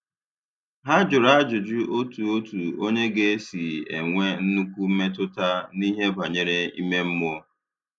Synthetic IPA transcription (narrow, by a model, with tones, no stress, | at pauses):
ɦa˦d͡ʒʊ˨ɾa˦d͡ʒʊ˨d͡ʒʊ˦o˦tu˨o˦tu˨o˦ɲe˦ɡe˦si˨e˨ŋʷe˦n̩˦nu˦kʷu˦m̩˦me˦t̬ʊ˦ta˦ni˦ɦe˦ba˨ɲe˦ɾe˦ḭ˦me˦m̩˦mʊ˦o˦